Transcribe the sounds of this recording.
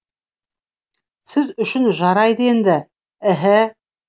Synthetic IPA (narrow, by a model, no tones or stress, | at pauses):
sɘðɵ̆ʃɵnʒɑɾɑjd̪ɤjɘnd̪æ | æɦæ